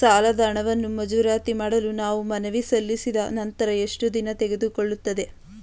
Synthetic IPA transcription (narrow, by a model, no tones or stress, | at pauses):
saːlɐd̪ɐːɳɐʋɐnːumɐd͡ʒuʋɾaːt̪imaːɽɐlunaːʋumɐnɐʋisɐlːisid̪ɐnɐnt̪ɐɾɐe̞ʂʈud̪inɐt̪ɛɡed̪ukoɭːut̪ːɐd̪e̞